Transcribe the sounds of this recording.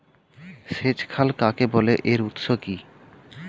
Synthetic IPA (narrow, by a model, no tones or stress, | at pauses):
ʃed͡ʑkʰalkakeboleʔeɾut̪ʃoki